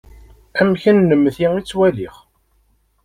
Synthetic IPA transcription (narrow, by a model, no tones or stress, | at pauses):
æmçənːəmːθiit͡sːwæliχ